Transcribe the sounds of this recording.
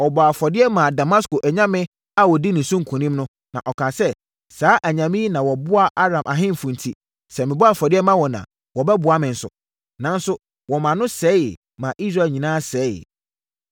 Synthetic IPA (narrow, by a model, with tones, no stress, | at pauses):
ɔ˨bɔ˨a˨fɔ˨dɪ˦ɛ˦mã˨da˨ma˦sko˨ʔæ˨ɲã˦mɪ̃˦ | a˦wɔ˨di˦nʊ̃˨sũ˦ŋ̩˨kʰũ˨nĩ˦mnʊ̃˦ | nã̰˨ʔɔ˨kʰã˨sɛ˦ | saː˨˦ʔæ˨ɲã˨mĩ˦nã˨wɔ˨bʊ˦a˦ʔa˦ɾã˨mʔa˨ɦɪ̃˦m̩˨fũ˨n˨tʰi˦ | sɛ˨mɪ̃˨bʊ˦a˦˨fɔ˨dɪ˦ɛ˦mã˦wɔ̃˨nã̰˨ | wɔ˨bɛ˦bʊ˨a˦mɪ̃˨n̩˨sʊ̰˨ | nã˨n̩˦sʊ˦ | wɔ˨mã˨nʊ̃˦sɛː˦jɪ̰˨ | mã˨ʔi˦s̬ɾa˦˨ɲĩ˨nãː˦sɛː˨˦jɪ̰˨